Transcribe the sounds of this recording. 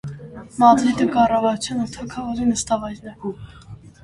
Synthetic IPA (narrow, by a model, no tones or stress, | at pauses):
mɑd̪ɾid̪əkɑrɑvɑɾut͡sʰjɑnət̪ʰɑkʰɑvɔɾinəst̪ɑvɑjɾnɛ